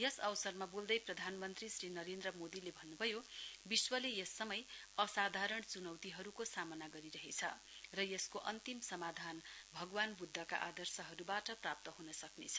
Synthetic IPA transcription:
jʌsʌwsʌrmabold̪ʌjprʌd̪ʱanmʌnt̪risrinʌɾend̪rʌmod̪ilebʱʌnːubʱʌjobiswʌlejʌsːʌmʌjʌsad̪ʱaɾʌɳt͡sunʌwt̪iɦʌɾukosamʌnaɡʌɾiɾʌɦet͡sʰʌ | rʌjʌskoʔʌnt̪imsʌmad̪ʱanbʱʌɡwanbud̪ʱːʌka̰ʔa̰d̪ʌrsʌɦʌɾubaʈʌprap̚t̪ʌɦunʌsʌknḛt͡sʰʌ

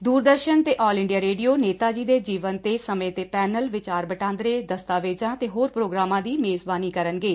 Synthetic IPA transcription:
d̪uːɾd̪əɾʃənt̪eːʔɔːlɪ̃ɳɖijaːɾeːɖijoːneːt̪aːd͡ʒiːd̪eːd͡ʒiːʋənt̪eːsəmẽːt̪eːpɛːnəlʋɪt͡ʃaːɾbəʈãːnd̪ɾeːd̪əst̪aːʋeːd͡ʒãːt̪eːɦoːɾpɾoːɡɾaːmãːd̪iːmeːzbaːniːkəɾənɡeː

